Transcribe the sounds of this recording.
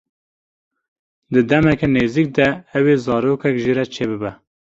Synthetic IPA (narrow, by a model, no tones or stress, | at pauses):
d̪ɨd̪ɛmɛkɛneːziːk̚d̪ɛɛwezɑːɾoːkɛkʒiɾɛt͡ʃʰeːbɨbɛ